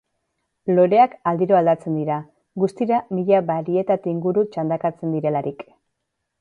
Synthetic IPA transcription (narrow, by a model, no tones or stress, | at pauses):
lo̞ɾe̞akald̪iɾo̞ald̪at͡se̞nd̪iɾa | ɡust̪iɾamiʎaβaɾie̞t̪at̪iiŋɡuɾut͡ʃand̪akat͡se̞nd̪iɾe̞laɾik